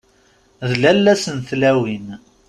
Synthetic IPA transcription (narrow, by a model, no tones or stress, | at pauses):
ðlælːæsənθlæwin